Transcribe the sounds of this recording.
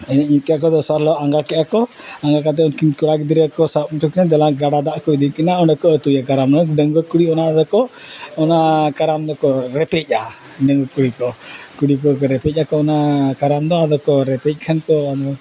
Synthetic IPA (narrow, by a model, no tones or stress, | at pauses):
ɛnɛɲikɛakɔd̪ɔsaɾlɔaŋɡakɛʔakɔaŋɡak̬at̪̬ɛɔnkinkuɽakd̪iɾakɔsap̚mʈʰukinad̪ɛlaɡaɽad̪aʔkɔid̪ikinaɔnɖɛkɔːt̪ujakaɾamnɔɖəŋɡɔkuɽiɔnad̪ɔkɔːnaʔkaɾamd̪ɔkɔɾɛpɛc̚a | ɖəŋɡɔkuɽikɔkuɽikɔɔɾɛpɛc̚ˀakɔːnaʔkaɾamd̪ɔad̪ɔkɔɾɛpɛc̚ˀkʰankɔad̪ɔ